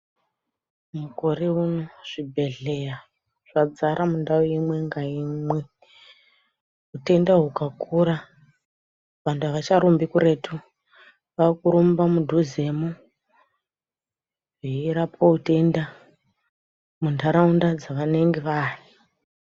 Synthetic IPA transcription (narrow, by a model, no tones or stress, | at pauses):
muko̞ɾe̞uno̞ʐ̥ibʱe̞ɮeja | ʐ̥ad͡zaɾʔamundaoimwe̞ŋɡaimwe̞ | ɦute̞ndaɦukakʰuɾa | ʋandaʋat͡ʃaɾumbikuɾe̞tʰu | ʋakuɾumbamudʱuze̞mo | ʐiɾapoɦute̞nda | mundaɾaundad͡zaʋane̞ŋɡeʋaːri